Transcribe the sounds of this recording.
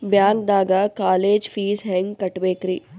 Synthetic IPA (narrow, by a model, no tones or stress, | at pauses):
bjaːnd̪aːɡaːkaːleːd͡ʒfiːzɦɛ̃ːŋɡkɐʈʋeːkɾiː